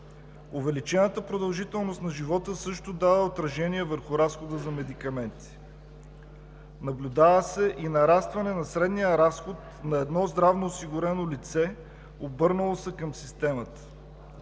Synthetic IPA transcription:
ʊvɛlit͡ʃɛnət̪əpɾod̪ɐlˠʒit̪ɛlˠnost̪nɐʒivɔt̪əsɤʃt̪ʊd̪avəot̪ɾɐʒɛniɛvəɾxʊɾasxod̪əzɐmɛd̪ikɐmɛnt̪i̥ | nɐblʲʊd̪avəsɛʔinɐɾast̪vɐnɛnɐsɾɛd̪nijəɾasxot̪ | nɐɛd̪nɔzd̪ɾavnoːsiɡʊɾɛnolit̪sɛ | obɤɾnəlˠosɛkɐmsist̪ɛmət̪ə̥

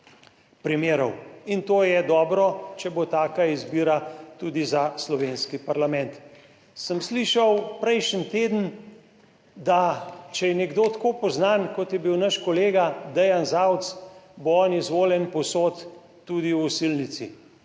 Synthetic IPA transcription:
pɾimeːɾɔwint̪oːjɛd̪ɔːbɾɔt͡ʃɛbot̪aːkaizbiːɾat̪uːd̪izaslɔʋenskipaɾlamɛnt̪ | səmsliʃawpɾɛjʃənt̪eːd̪ən̩ | d̪at͡ʃɛjɛnɛɡd̪oːt̪koːpɔznankɔt̪jɛbiwnaʃkɔleːɡad̪ɛjanzawt̪sboɔnizʋoːljɛnpɔsoːt̪ː | ud̪iwusilnit̪sḭ

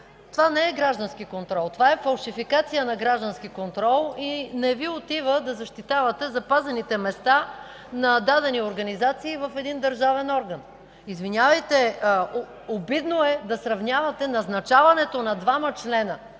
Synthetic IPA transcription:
t̪ovanɛɛɡɾaʒd̪ɐnskikont̪ɾɔlˠt̪ovaɛfɐlˠʃifikat̪sijənɐɡɾaʒd̪ɐnsk̟ikont̪ɾɔlˠinɛviot̪ivəd̪ɐzɐʃt̪it̪avɐt̪ɛzɐpazɛnit̪ɛmɛst̪a | nɐd̪ad̪ɛnioɾɡɐnizat̪siːvɐfɛd̪ind̪ɐɾʒavɛnɔɾɡən | izvinʲjavɐjt̪ɛ | obid̪noɛd̪ɐsɾɐvnʲjavɐt̪ɛnɐznɐt͡ʃavɐnɛt̪onɐd̪vamɐt͡ʃlɛnə

